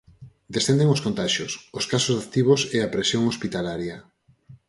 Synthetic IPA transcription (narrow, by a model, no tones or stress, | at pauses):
d̪esθẽnd̪eŋoskõnt̪aʃjososkasozðakt̪iβ̞oseapɾesjoŋospit̪alaɾjɐ